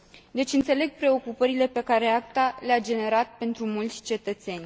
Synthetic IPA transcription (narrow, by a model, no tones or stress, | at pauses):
d̪e̞t͡ʃʲɨnt̪se̞le̞ɡ̚pɾe̞o̞kupəɾile̞pe̞kaɾe̞akt̪alead͡ʒe̞ne̞ɾat̪̚pe̞nt̪ɾumult̪sʲt͡ʃe̞t̪ət̪se̞nʲ